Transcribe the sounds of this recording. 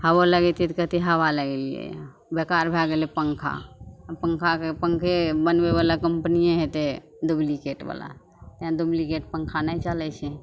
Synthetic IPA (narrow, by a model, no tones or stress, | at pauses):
həβoləɡɛt̪it̪kət̪iɦəβaləɡeliḛ | bekaɾbʱaɡelepəŋkʰa̰pəŋkʰakepəŋkʰebənbeβalakəmpnijẽɦet̪e | d̪ublikeʈba̰la̰ | t̪ãd̪ublikeʈ̚pəŋkʰanajt͡ʃalɛt͡ʃʰɛ